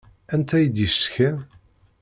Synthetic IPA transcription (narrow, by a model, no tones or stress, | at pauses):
ænt̪æjid̪jəsçæ